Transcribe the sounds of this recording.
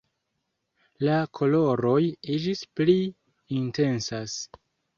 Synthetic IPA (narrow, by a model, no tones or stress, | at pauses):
lakʰo̞lo̞ɾo̞jid͡ʒispli | inte̞nsas